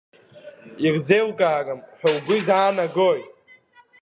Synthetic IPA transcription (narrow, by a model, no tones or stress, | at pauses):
irzewkʼaːkʼamħawɡʷʊzaːnaɡoj